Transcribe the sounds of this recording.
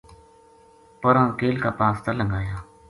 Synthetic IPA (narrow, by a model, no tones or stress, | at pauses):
pəɾãːkeːlkaːpãːst̪aləŋɡaːjãː